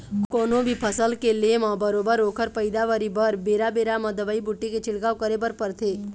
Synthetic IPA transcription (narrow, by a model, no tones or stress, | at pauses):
kkoːnõbʱipʰəsəlkelemãbəɾoːbəɾoːkʰəɾpəɪd̪aʋəɾibəɾbeːɾabeːɾamɐ̃d̪əʋəibʊʈːiket͡ʃɪɽɡaːwkəɾebəɾpəɾt̪ʰeː